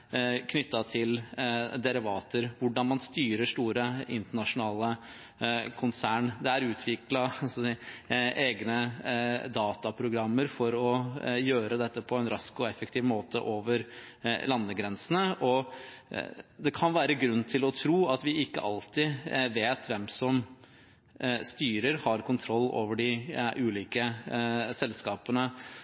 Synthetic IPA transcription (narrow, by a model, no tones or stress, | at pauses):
kʰnʏt̪ːɑt̪ʰɪld̪ɛɾɪʋɑːt̪əɾʋʊɖɑnmɑnst̪yːɾəʂt̪uːɾəɪnt̪əɳɑʂʊnɑːlə | kʰʊnsæːɳd̪ɛæɾʉːt̪ʰʋɪklɑs | eːɡnəd̪ɑːt̪ɑpʰɾʊɡɾɑmːəɾfɔɾɔjøːɾəd̪ɛt̪ːəpʰɔɛnɾɑskɔɛfək̚t̪ʰiːʋmoːt̪ə̰ʔoːʋəɾ | lɑnːəɡɾɛnsənəʔɔ | d̪ɛkʰɑnʋæːɾəɡɾʉnːt̪ʰɪlɔt̪ʰɾuːɑt̪ʋɪɪkːə̰ʔɑlt̪ɪʋeːt̪ʰʋɛmsɔm | st̪yːɾəɾhɑɾkʰʊnt̪ʰɾɔlːo̰ːʋəɖɪʔʉːliːkə | sɛlskɑːpənə